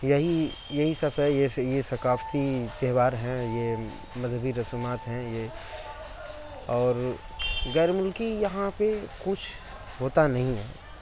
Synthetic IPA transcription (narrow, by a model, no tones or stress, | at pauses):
jɐɦi | jɐɦisɐfəjejesɐkaːft̪it̪eɦbaːɾɦɛ̃je | mɐzʱɦəbiɾɐsuːmaːt̪ɦɛ̃je | ɔːɾ | ɣɛːɾmʊlkijɐɦãpekʊt͡ʃʰ | ɦoːt̪anɐɦĩɦɛ̰ː